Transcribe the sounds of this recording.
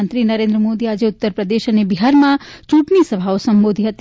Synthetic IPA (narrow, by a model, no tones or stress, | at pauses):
ənt̪ɾinəɾẽnd̪ɾəmod̪iad͡ʒeʊt̪ːəɾpɾəd̪eʃənebiɦaɾmãt͡ʃuʈnisəbʱaosəmbod̪ʱiɦət̪